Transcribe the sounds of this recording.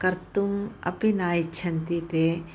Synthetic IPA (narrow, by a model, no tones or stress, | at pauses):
kɐɾt̪umɐ̰pinaːit͡ʃʰɐnt̪it̪eː